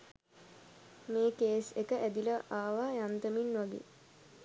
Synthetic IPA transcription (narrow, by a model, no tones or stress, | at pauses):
meːkeːsekəʔæd̪iləʔaːʋaːjant̪əminʋaɡḛː